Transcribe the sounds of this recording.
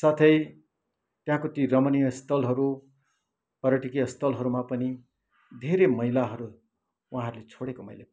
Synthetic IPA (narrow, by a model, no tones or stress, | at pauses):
sat̪ʰʌj | t̪jɦãkot̪iɾʌmʌnijʌst̪ʰʌlɦʌɾu | pʌɾʌʈikijʌst̪ʌlɦʌɾumapʌni | d̪ʱeɾemʌɦilaɦʌɾu | wɦãɦʌɾulet͡sʰoɽekomʌ̰jla